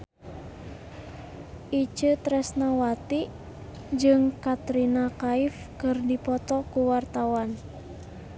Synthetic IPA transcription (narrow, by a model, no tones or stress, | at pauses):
ʔit͡ʃət̪ɾɛsnawat̪i | d͡ʒɨŋkat̪ɾinakaifkɨrdipɔt̪ɔkuwart̪awan